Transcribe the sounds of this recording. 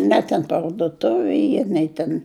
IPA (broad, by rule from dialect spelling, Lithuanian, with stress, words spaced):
ˈnʲɛ tʲɛn pɐrdʊˈtʊʋʲɪ ˈiː ˈnʲɛɪ tʲɛn